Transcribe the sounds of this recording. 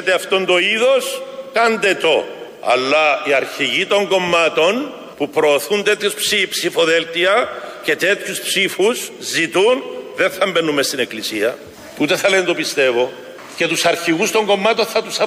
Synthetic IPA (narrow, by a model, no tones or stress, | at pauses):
t̪eɐft̪o̞nd̪o̞iðo̞skɐnd̪e̞t̪o̞ | ɐ̰lːɐiɐɾçiʝit̪o̞ŋɡo̞mːɐt̪o̞n | pupɾo̞ːθunt̪e̞t̪çuspsipsifo̞ðelt̪iɐce̞t̪e̞t̪çuspsifuszit̪unðe̞θɐmbenːumest̪ine̞klisiɐ | ut̪e̞θɐlent̪opist̪e̞vo̞ | ce̞t̪usɐɾçiɣust̪o̞ŋɡo̞mːɐt̪o̞nθɐt̪usɐ